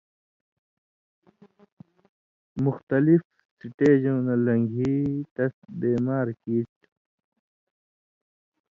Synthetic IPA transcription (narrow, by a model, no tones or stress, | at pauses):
muxt̪ɐlif | siʈeːd͡ʑõːnɐlɐŋɡʱiːt̪ɐsbeːmaːɾkiːst̪